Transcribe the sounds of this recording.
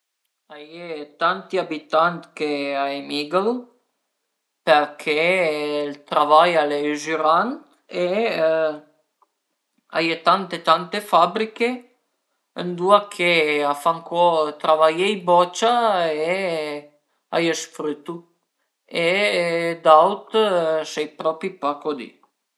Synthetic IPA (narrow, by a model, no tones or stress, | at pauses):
ajet̪ant̪iabit̪ant̪keaemiɡl | peɾkʰelt̪ɾavajaleʒyɾan | e | a̰jet̪ant̪et̪ant̪efabɾike | ənd̪uakʰeafaŋkɔt̪ɾavajɛjbɔt͡ʃae | a̰jəsfɾyt̪ːu | e | d̪awt̪sɛjpɾɔpipakod̪ḭ